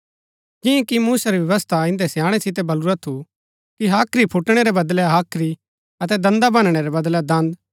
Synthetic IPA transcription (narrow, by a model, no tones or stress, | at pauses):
d͡ʒɪ̃ẽkimuːsaɾiʋjɐʋəst̪ʰaɪ̃nd̪ɛsjaːɽ̃ɛsɪt̪̬ebɐluɾat̪ʰu | kiɦaːkʰɾipʰʊʈɽ̃eɾebɐd̪lɛɦaːkʰɾi | ɐt̪ɛd̪ɐ̃nd̪abɐ̃nɽ̃eɾɛbɐd̪lɛd̪ɐ̃nd̪